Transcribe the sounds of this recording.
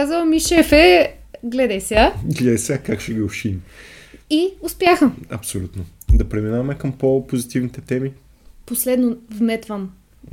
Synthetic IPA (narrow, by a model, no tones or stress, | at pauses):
azəvˠmiʃɛfɛɡlɛd̪ɛsʲaɡlɛd̪ɛsʲakakʃɛɡiʊʃini | iʊspjaxəmɐ̰psolʲut̪nod̪ɐpɾɛminavɐmɛkɐmpopozit̪ivnit̪ɛt̪ɛmi | poslɛd̪novmɛt̪vɐm